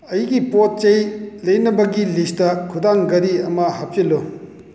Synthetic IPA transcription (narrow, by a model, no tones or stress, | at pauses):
ɐjɡipot̚t͡ʃɐjlɐjnɐbɐɡilistɐkʰudaŋɡɐɾiɐmɐhap̚t͡ʃɐlo